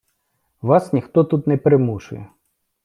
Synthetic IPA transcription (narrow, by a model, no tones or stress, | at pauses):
ʋɑsnʲixt̪ɔt̪ut̪nɛpɾɪmuʃʊ̰jɛ̰